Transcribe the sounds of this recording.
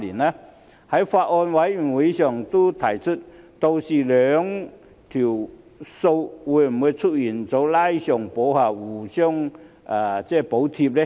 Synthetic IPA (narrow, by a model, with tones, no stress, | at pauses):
li˨˩na˧ | ha˨˥˦jfa˧ʔ̚ɔ˧nwa˨˥ji˨˩we˨˦ɕjɔ˨˩ŋt̪u˥t̪ʰa˨˩jt͡sʰu˥t̚t̪o˧wsi˨˩lœ˨˧ŋ | t̪ʰi˨˩w | so˧wwu˧˩jm̩˨˩we˨˧t͡sʰu˥t̚ji˨˩nt͡so˨˥wla˥jɕjɔ˨˩ŋpo˨˧˥wha˧˩wu˨˩ɕjɔ˥˧ŋ | ʔa˨˩t͡sɛ˥˩po˨˥wt̪ʰi˧p̚le˦˧